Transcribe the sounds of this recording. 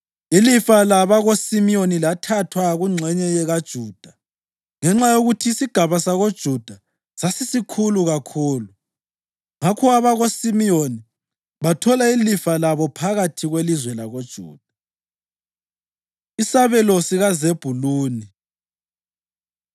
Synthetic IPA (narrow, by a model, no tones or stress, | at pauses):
ilifalaβaɣosimionilatʰatʰwaɣuŋ͡ǀʱɛɲɛjɛɣad̥ʒ̥ʱuːd̥ʱa | ŋɛŋ͡ǁajoɣutʰiːsiɡ̥ʱaβasaɣod̥ʒ̥ʱud̥ʱa | sasisikʰuluɣakʰuːlu | ŋakʰuaβaɣosimijoni | βatʰɔlailifalaβɔpʰaɣatʰiɣwelizwɛlaɣod̥ʒ̥ʱṵːd̥ʱa | isaβɛlɔsiɣazeb̥ʱuluːni